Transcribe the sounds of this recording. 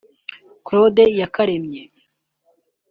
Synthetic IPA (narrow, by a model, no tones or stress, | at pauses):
kɾodejakaɾemɲe